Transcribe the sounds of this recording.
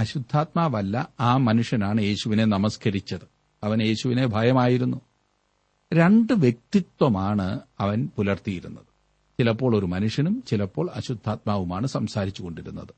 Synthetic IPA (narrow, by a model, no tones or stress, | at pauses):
ɐɕud̪ʱːaːt̪̚maːʋɐlːɐaːmɐnuʂjɐnaːɳɨje̞ːɕuʋine̞nɐmɐskɐɾit͡ɕːɐðɨ | ɐʋɐnje̞ːɕuʋine̞bʱɐjɐmaːjiɾunːu | ɾe̞ɳɖɨʋjek̚t̪it̪wɐmaːɳɨɐʋɐnpulɐrt̪ijiɾṵnːɐðɨ | t͡ɕilɐpːo̞ːɭo̞ɾumɐnuʂjɐnumt͡ɕilɐpːo̞ːɭɐɕud̪ʱːaːt̪̚maːʋumaːɳɨsɐmsaːɾit͡ɕːuɣo̞ɳɖiɾṵnːɐðɨ